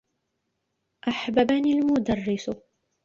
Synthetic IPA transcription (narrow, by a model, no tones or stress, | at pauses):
ʔaħbabanilmʊd̪arːɪs